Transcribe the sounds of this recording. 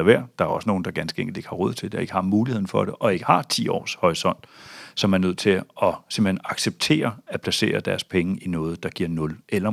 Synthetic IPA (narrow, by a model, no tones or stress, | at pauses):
ɐʋæɐ̰d̥ɑ̈æɐɒ̽səno̝ːn̩d̥ɑ̈ɡ̥ænsɡ̥əeŋɡld̥e̝ɡ̥hɑ̈ʁɔ̽ð̰ˠt͡sʰe̝d̥ɑe̝ɡ̥əhɑ̈muːlihe̝ð̰ˠn̩fɒ̽d̥eʔɒ̽e̝ɡ̥əhɑ̈t͡sʰḭːɒ̰ːshɒisɒ̽n̰d̥sɒ̽mæɐnøð̰ˠt͡sʰe̝lɒ̽se̝mb̥l̩enɑ̈ɡ̥seb̥̚t͡sʰe̝̰ːɐæpʰlæse̝̰ːɐd̥æɐspʰeŋəʔinɔ̽ːð̞̩ˠd̥ɑ̈ɡ̥iɐ̰nɔ̽lelɐ